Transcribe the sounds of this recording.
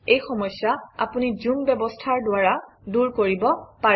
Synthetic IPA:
ejxɔmɔsːaa̰punizumbɛbɔstʰaɹdʊaɹa | duɹkoɹibɔpa

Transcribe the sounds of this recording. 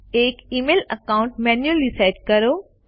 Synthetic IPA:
eːkiːmeːlɐkaːʊ̃ɳʈmɛːnjuəlːisaːʈ̚kɐɾoː

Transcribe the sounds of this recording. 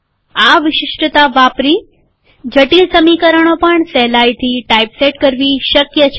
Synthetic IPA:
aʋɪʃɪʃʈət̪aʋapɾi | d͡ʒəʈilsəmikəɾəɳ̃opəɳsɛɦlajt̪ʰiʈaipseʈkəɾʋiʃəkjət͡ʃʰ

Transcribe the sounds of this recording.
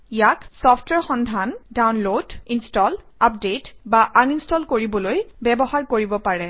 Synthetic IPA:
ijaksɔpʰtwɛɹxɔndʱandawnlodinstɔl | apdetbaʔaninstɔlkoɹibɔlojbɛbɔɦaɹkoɹibɔpaɹɛ

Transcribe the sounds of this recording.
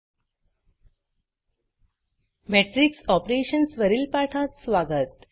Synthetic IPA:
meʈɾiksɔpɾeːʃənsʋəɾilpaʈʰaːt̪sʋaːɡət̪

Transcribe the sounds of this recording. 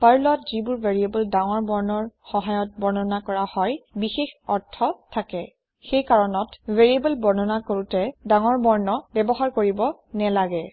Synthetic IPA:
paɹlɔtzibʊɹvʱeɹiebɔldaŋɔɹbɔɹnɔɹxɔɦajɔt̚bɔɹnɔnakɔɹahɔjbixexɔɹtʰːɔtʰakɛ | xejkaɹɔnɔtveɹiebɔlbɔɹnɔnakoɹutɛdaŋɔɹbɔɹnɔbɛbɔɦaɹkoɹibɔ | nɛlaɡɛ

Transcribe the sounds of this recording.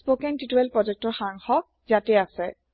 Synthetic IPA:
spokɛntituɛlpɹɔd͡ʒɛk̚tɔɹxaŋxɔ | zatɛasɛ

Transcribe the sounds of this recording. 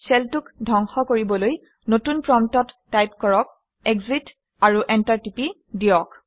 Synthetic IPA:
sɛltukdʱɔŋxɔkoɹibɔloj | notunpɹɔmtɔtːajp̚kɔɹɔk̚ | ɛɡzit | aɹuʔɛntaɹtipi | dijɔk

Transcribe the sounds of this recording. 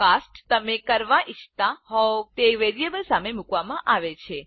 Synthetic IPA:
kasʈt̪əmekəɾʋaʔit͡ʃʰt̪ãɦɔt̪eʋeɾiebəlsamemukʋamãʔaʋet͡ʃʰe

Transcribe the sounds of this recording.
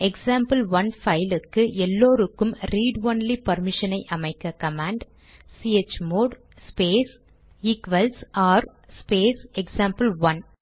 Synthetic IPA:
ɛksaːmpɐlʋɐnfɐɪlɯkːɯʔɛlːoːɾɯkːɯmɾiːɖʋɐnlipɐɾmɪʂɐnɐɪʔɐmɐɪkːɐkɐmaːɳɖ | siːet͡ʃːmoːɽ | speːs | iːkʋɐlsaːɾ | speːsɛksaːmpɐlʋɐn

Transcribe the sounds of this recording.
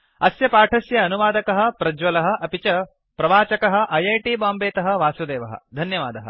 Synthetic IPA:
ɐsjɐpaːʈʰɐsjɐːnuʋaːd̪ɐkɐɦɐ̆pɾɐd͡ʒʋɐlɐɦɐ̆ʔɐpit͡ʃɐ | pɾɐʋaːt͡ʃɐkɐɦɐ̆ʔɐjɐːʈiːbaːmbeːt̪ɐɦɐ̆ʋaːsud̪eːʋɐɦɐ̰d̪ʱɐnjɐʋa̰ːd̪ɐɦɐ̰

